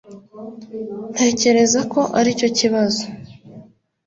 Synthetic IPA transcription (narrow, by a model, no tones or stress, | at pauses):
n̥tʰe̞ːce̞ɾe̞zako̞ʔaɾico̞ciβazo̞